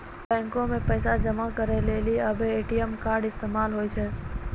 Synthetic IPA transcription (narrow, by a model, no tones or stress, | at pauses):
bɛ̃ːŋkõmẽpəːsad͡ʒəmakəɾeleːliəbʱeeːʈijəmkaːɾɖɪst̪eːmaːlɦoːit͡ʃʰɛː